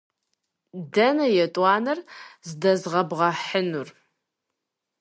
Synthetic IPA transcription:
dɐnɐjɛtʼwɑːnɐrzɨdɐzʁɐbʁɐħənur

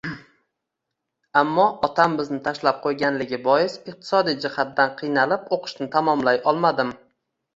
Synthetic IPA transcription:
amːɒɒt̪ʰambɪznɪt̪ʰaʃlap̚qʰojɡʲanlɪɡʲɪbɒjɪsɪq̚t̪ʰɪ̥sɒd̪ijd͡ʒɪhat̪̚d̪anqʰɨjnalɪpoqʰɨ̥ʃnɪt̪ʰamɒmlajɒlˠmad̪ɪm

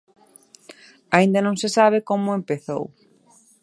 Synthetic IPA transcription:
aĩnd̪anõŋsesaβ̞ekomʊempeθo̰w

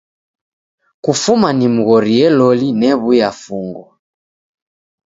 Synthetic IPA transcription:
kufumanimuɣɔɾiɛlɔlinɛβujafuŋɡɔ

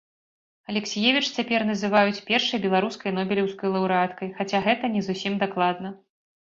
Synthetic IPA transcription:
ɐlʲɛksʲijɛvʲit͡ʂt͡sʲapʲɛrnɐzɨvajut͡sʲpʲɛrʂɨjɐbʲɛlˠaɾuskɐjnɔbʲlʲiwskɐjlˠɐwɾɨat̪kɐjxat͡sʲaɣɛt̪ɐnʲɛzusʲimd̪aklˠad̪nɐ

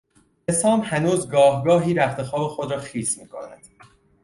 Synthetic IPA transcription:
esɒːmhænuːzɡɒːhɡɒːɦiːɾæxt̪ʰe̞xɒːbe̞xo̞d̪ɾɒːxiːsmiːkʰo̰næ̰d̪̥

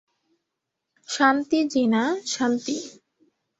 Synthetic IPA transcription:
ʃant̪id͡ʑinaʃant̪i

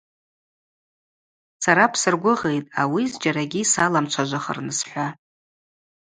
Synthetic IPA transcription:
saɾapʰsɨrɡʷʊʁe̞jtʼawizd͡ʒaɾaɡʲisalamt͡ʃʷʰaʒʷaχə̰rnɨsħʷa

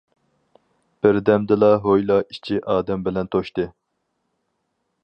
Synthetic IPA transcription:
b̥ɪɾd̪ɛmd̪ɪlˠɑɦojlˠɑʔit͡ʃʰiʔɑːd̪ɛmbɪlɛnt̪ʰoʃt̪ɨ

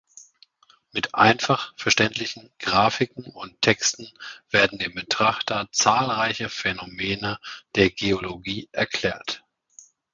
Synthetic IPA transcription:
mɪtʔa̰ɪnfaχfɛɐʃtɛntlɪçn̩ɡ̥ʁaːfɪkŋ̩ʊntʰːɛkstn̩v̥eːɐdn̩deːmbətʁ̥aχtɐt͡saːlʁaɪçəfenomeːnəd̥eːɐɡeoloɡiːʔɛɐkl̥ɛ̰ːɐt

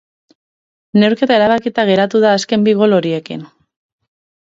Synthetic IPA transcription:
ne̞wɾke̞t̪ae̞ɾaβakit̪aɣe̞ɾat̪uðaːske̞mbiɣ̞o̞lo̞ɾie̞kḭn

